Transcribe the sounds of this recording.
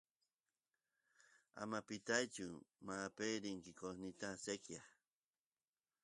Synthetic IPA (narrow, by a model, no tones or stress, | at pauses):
a̰mapit̪ajt͡ʃumapejɾiŋkikosnit̪asekja